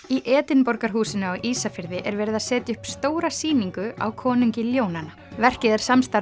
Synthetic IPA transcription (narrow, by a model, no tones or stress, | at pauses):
iʔɛːt̪ɪnpɔɾkaɾ̥ɦuːsɪnʏawʔiːsafɪɾðɪʔɛɾvɛːɾɪðasɛːt̪ɪʏhpst̪oːwɾasiːniŋkʏa̰wkʰɔːnʏɲcɪljoːwnana | vɛr̥cɪðɪɾ̥samst̪a